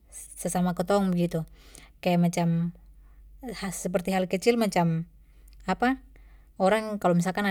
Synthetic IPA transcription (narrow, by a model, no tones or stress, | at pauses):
səsamakət̪ɔŋbəɡit̪ukajamat͡ʃam | hasəp̬ərt̪iɦalkət͡ʃɪlmat͡ʃam | apa | oɾaŋkalomisalkana